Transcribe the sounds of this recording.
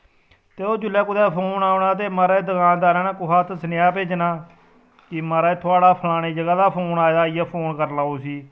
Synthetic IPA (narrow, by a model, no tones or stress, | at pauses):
t̪eːoːd͡ʒʊlaːkʊd̪ɛːpʰoːnaːʊnaːt̪̬eːmaːɾaeːd̪əkãːnd̪aːɾaːnaːkʊɦʰaːt̪sənɪjaːpeːt͡ʃnaː | kɪmaːɾaːeːt̪ʰʊaːɽaːpʰəlaːneːd͡ʒəɡaːd̪aːpʰoːnaːed̪aːɪjaːpʰoːnkəɾlaːoːsiː